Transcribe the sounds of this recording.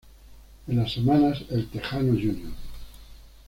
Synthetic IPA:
ẽnlasːemanaselt̪exanoʝunjo

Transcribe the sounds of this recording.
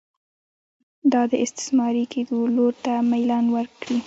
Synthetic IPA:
d̪ɑd̪əɪst̪ɪ̥smɑɾiked̪oloɾt̪amajlɑnwəɾkɽi

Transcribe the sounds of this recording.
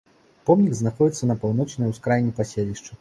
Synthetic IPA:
pɔmnʲiɡznaxɔd͡zʲit̪sːɐnɐpawnɔt͡ʂnɐjwskɾajnʲːipasʲelʲiʂt͡ʂɐ

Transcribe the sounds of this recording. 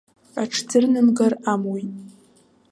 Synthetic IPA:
aʈ͡ʂʰd͡zɨrnɨmɡaramwojtʼ

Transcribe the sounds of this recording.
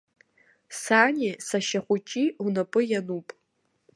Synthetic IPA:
saːnʲesaʃaχʷʊt͡ʃʼiunapʼɨjanupʼ

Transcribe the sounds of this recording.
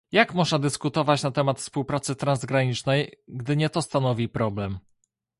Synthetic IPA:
jakmɔʐnad̪ɘskut̪ɔvat͡ɕnat̪ɛmat̪fspuwpɾat̪sɘt̪ɾanzɡɾaɲit͡ʂnɛjɡd̪ɘɲɛt̪ɔst̪anɔvʲipɾɔblɛm

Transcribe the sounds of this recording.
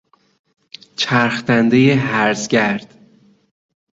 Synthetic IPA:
t͡ʃʰæɾxt̪ænd̪ejeɦæɾzɟæɾd̪̥

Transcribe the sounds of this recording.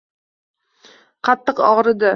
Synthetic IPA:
qʰɑt̪ːɨqɒʁɾɨd̪a

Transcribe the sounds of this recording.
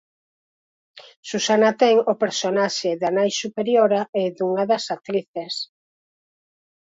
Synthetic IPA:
susanɐt̪ɛŋopeɾsonaʃeðanajsupeɾjoɾaɪðuŋɐðɐsat̪ɾiθes

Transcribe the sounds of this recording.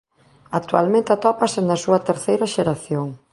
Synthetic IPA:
ak̚t̪ualmẽnt̪at̪ɔpɐsenɐsuɐt̪eɾθejɾɐʃeɾaθjoŋ

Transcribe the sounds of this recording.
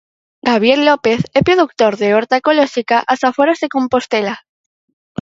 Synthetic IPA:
ɡaβ̞jeɾlopeθepɾoðuk̚t̪oɾðeoɾt̪akoloʃikaʔasafoɾazðekõ̞mpo̞st̪ela

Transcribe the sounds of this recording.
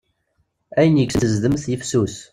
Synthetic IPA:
æjənjəɡsəzðəmθjəfsus

